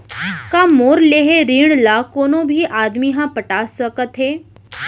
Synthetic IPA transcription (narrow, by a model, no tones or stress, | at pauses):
kaːmoːɾleːɦeɾiːɽ̃lakoːnõbʱiʔaːd̪miɦãpəʈaːsəkət̪ɦeː